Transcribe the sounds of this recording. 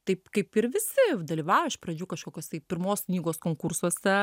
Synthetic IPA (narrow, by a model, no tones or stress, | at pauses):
t̪ɐɪpkɐɪpɪɾʋʲɪsʲɪd̪ɐlʲiːʋɑːjoɪʃpɾɐd͡ʒʲuːkɐʃkoːkʲoːst̪ɐɪpʲɪɾmoːsknʲiːɡoːskoːŋkʊrsuɔsʲɛ